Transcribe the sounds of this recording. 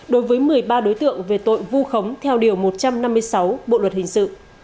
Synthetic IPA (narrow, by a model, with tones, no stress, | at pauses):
ɗo˨˦jvəː˨˦jmɨ˨˩əjɓaː˧ɗo˨˦jt̪ɨ̰˧˨əŋve˨˩t̪o̰˧˨jvu˧xə˨˦wŋ͡mt̪ʰɛ˧wɗi˨˩əwmo˨˩t̚t͡ɕa˧mna˧mːɨ˧əjsa˨˦wɓo̰˧˨lwə˨˩t̚hï˨˩ŋ̟sɨ̰˧˨